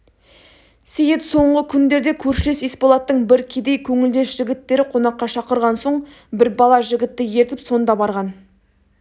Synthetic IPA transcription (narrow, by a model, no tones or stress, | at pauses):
sejet̪so̞ɴʁəkʲʰʏnd̪e̞ɾd̪e̞kʲʰɵɾʃɪle̞sespolˠɑt̪ːəɴbɪɾkʲʰe̞d̪e̞jkʲʰɵŋɪld̪e̞ʃʒ̥ɪɡʲɪt̪ːe̞ɾɪqʰo̞nɑqːɑʃɑqəɾʁɑnso̞ɴ | bɪɾbɑlˠɑʒɪɡʲɪt̪ːɪjeɾt̪ɪpso̞nd̪ɑbɑɾʁɑn